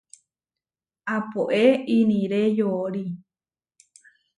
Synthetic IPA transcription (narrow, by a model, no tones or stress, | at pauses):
apoʔeinĩɾejooɾi